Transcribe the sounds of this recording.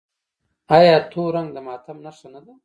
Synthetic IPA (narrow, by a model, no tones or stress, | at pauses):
ajɑːt̪ʰoɾaŋɡd̪əmɑːt̪ʰamnaʂanad̪a